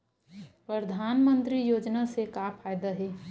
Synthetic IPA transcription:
pɾəd̪ʱaːnmənt̪ɾijoːd͡ʒnasekapʰajd̪aɦɛ

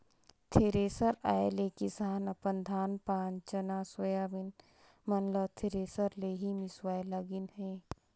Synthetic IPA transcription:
t̪ʰeɾeːsəɾaːelekɪsaːnɐpənd̪ʱaːnpaːnt͡ʃɐnaːswɐjaːʋɪn | mɐnləbt̪ʰeɾeːsəɾleːɦimɪswaːjlɐɡɪnhɛ̃ː

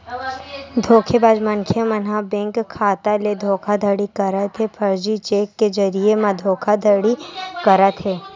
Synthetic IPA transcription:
d̪ʱoːkʰebaːd͡ʒmɐŋkʰjəmɐnɦabɛ̃ŋkʰːaːt̪aled̪ʱoːkʰad̪ʱəɽikɐɾət̪ɦepʰɐɾd͡ʒit͡ʃeːkːezɐɾiemãd̪ʱoːkʰad̪ʱəɽikɐɾət̪ɦeː

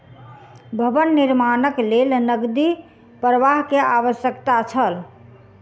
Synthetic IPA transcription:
bʱəbənːiɾmanəklelnəɡd̪i | pɾəʋaɦkeaβəsjəkt̪at͡ʃʰəl

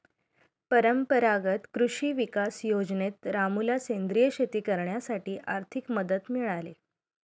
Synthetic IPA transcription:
pəɾəmpəɾaɡət̪kɾuɕiːʋikasjod͡znet̪ɾamulasend̪ɾijəɕet̪iːkəɾɳjasaʈiːʔaɾt̪ʰikməd̪ət̪miɭale

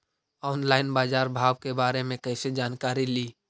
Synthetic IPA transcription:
ɔːnlaːɪnbaːzaːɾbʱaːʋkebaːɾemẽkɛɪsed͡ʒaːnkaːɾiliː

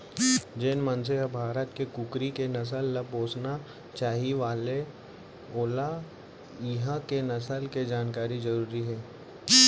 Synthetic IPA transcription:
d͡ʒenmɐnseɦabʱaːɾət̪kekʊkɾikenɐs̬əlːɐboːsna | t͡ʃaːɦiʋaːle | oːla | ɪɦãkenɐsəlked͡ʒaːnkaːɾid͡ʒɐɾuːɾiɦɛː

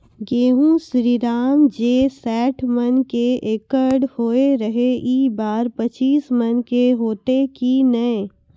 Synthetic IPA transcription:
ɡeːɦũsɾiːɾaːmd͡ʒeːsɛːʈʰmənkeeːkəɾɖhoːeɾəɦeʔiːbaːɾpɐt͡ʃiːsmənkeɦoːt̪ekinɐẽ

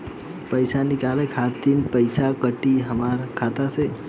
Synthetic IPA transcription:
pəjsanikalekʰat̪inpəɪsakəʈiɦəmaɾkʰat̪ase

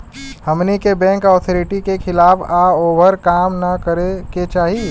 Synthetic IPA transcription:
həmnikebɛ̃ŋkɔːt̪ʰoɾɪʈikekʰɪlaːbaoːbəɾkaːmnɐkəɾeket͡ʃaːɦi

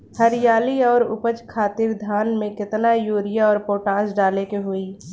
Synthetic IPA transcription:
həɾɪjaːliɔːɾʊ̰pət͡ʃkʰaːt̪ɪɾd̪ʱaːnmẽkɪt̪najuːɾɪjaɔːɾpoːʈãːsɖaːlekeɦʊiː

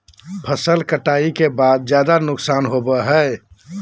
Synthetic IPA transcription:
pʰəsəlkəʈaikebad̪̚d͡ʒjad̪anʊksaːnɦobəɦɛ

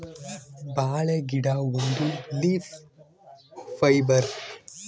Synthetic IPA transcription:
baːɭeɡɪɽaːɔnd̪ɯliːf | fɐɪbɐɾ

